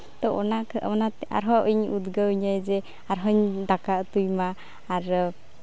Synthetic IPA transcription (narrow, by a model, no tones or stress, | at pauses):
t̪ɔɔnaɔnat̪a̰ɾɦɔʔiɲud̪ɡawɲajd͡ʒɛ | aɾɦɔɲd̪akaʔt̪ujmaː | ɾ